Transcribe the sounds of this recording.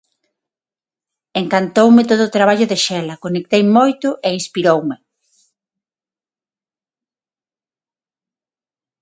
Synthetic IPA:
eŋkant̪owmɪt̪oðoːt̪ɾaβaʎʊðeʃɛlɐkonek̚t̪ejmojt̪ʊʔeinspiɾowme

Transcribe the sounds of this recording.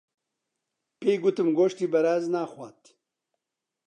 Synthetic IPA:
peːjɡʊt̪ɨmɡoːʃt̪iːbɐɾaːznaːxʷat̪

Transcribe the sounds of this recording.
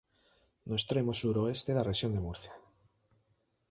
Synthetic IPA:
noest̪ɾemosuɾoest̪eðareʃjond̪emuɾθja

